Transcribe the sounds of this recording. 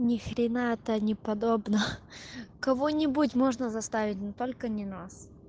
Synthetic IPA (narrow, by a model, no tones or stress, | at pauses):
nʲɪxɾʲɪnaɛt̪ənʲɪpɐd̪obnə | kɐvonʲɪbut̬ʲmo̞ʐnəzɐst̪avʲɪt̚ʲnot̪olʲkənʲɪnas